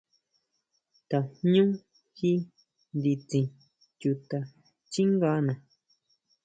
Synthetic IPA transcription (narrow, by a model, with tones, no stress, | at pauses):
t̪a˨ɲũ˦ | xi˦ | nd̪i˧t͡sĩ˧ | t͡ʃu˧t̪a˧ | t͡ʃi˦ŋɡa˧˦nã˨